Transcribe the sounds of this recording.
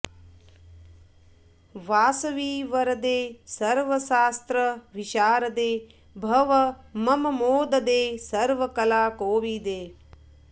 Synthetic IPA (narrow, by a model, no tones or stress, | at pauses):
ʋaːsɐʋiːʋɐɾɐd̪eːsɐɾʋəsaːst̪ɾəʋɪʃaːɾəd̪eː | bʱɐʋəmɐmɐmoːd̪əd̪eːsɐɾʋəkɐlaːkoːʋiːd̪eː